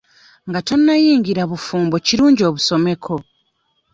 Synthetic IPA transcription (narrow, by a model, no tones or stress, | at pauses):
ŋɡatonːajiːɲɟiɾaβufuːmbociɾuːɲɟio̞ːβuso̞me̞kʰo̞